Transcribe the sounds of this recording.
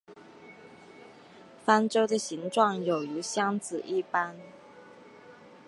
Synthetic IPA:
fa˥nʈ͡ʂo˥ʊd̪ə˨ɕi˧˥ŋʈ͡ʂwɑ˥˩ŋjo˨˩ʊy˧˥ɕjɑ˥ŋt͡sɹ̩˨˩ʔi˥˩pa˥n

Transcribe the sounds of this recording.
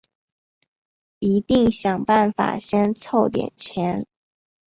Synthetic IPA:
i˧˥t̪i˥˩ŋɕjɑ˨˩ŋpa˥˩nfa̰˨˩ɕjɛ˥nt͡sʰo˥˩ʊt̪jɛ̰˨˩nt͡ɕʰjɛ˧˦˥n

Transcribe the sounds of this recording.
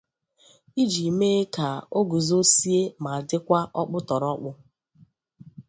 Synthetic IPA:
i˦d͡ʒi˨me˦ka˨o˦ɡu˨zo˦si˦e˦ma˨a˨dɪ˦kʷa˦ʔɔ˦k͡pʊ˦tɔ˨ɾɔ˦k͡pʊ˦

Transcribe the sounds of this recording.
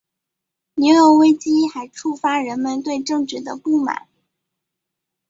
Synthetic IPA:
ni˧˥ʊjo˧˥we˥ɪt͡ɕi˥xa˧˥ɪʈ͡ʂʰu˥˩fa˥ɻə˧˥nmə˧nt̪̬we˥˧ɪʈ͡ʂɤ˥˧ŋʈ͡ʂɻ̩˥˩d̪ə˦pu˥˩ma̰˨˩˦n

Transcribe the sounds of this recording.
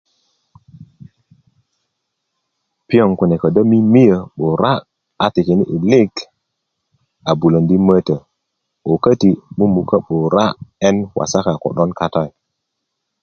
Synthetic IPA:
pi˦o˦˨ŋku˨ne˨kə˨da˦mi˦mi˦jə˨ɓo˨ɾa˦ | a˨ti˨ke˨nḭ˦ʔi˨li˦ɡ | a˨bu˨lo˨ndi˦mə˦tə˨ | o˨kə˦ti˨mu˦mu˨ka˦ɓo˨ɾa˦e˦nwʔa̰˨sa˦ka˨ko̰˨ɗo˦nka˦ta˦˨j

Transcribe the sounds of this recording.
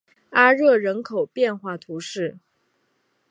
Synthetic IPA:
a˥ɻɤ˥˩ɻə˧˥nkʰo˨˩ʊpjɛ˥˧nxwa˥˩t̪ʰu˧˥ʂɻ̩˥˩

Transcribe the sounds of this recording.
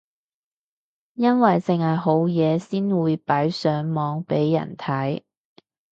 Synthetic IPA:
jɐ˥nwɐ˨jt͡sɪ˨ŋhɐ˨˩jɦo˨˥wjɛː˨˧siː˥nwuː˨˧jpɐ˨˥jsœː˨˥ŋmɔː˨˧ŋpe˨˥jːɐ̰˨˩nt̪ʰɐ˨˥j

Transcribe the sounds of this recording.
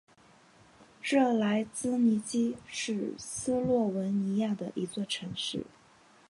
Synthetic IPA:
ʈ͡ʂɤ˥˩la˧˥ɪt͡sɹ̩˥ni˧˥t͡ɕi˥ʂɻ̩˥˩sɹ̩˥lwɔ˥˩wə˧˥nni˧˥ja˥˩d̪ə̰˩ʔi˧˥t͡swɔ˥˩ʈ͡ʂʰɤ˧˥ŋʂɻ̩˥˩

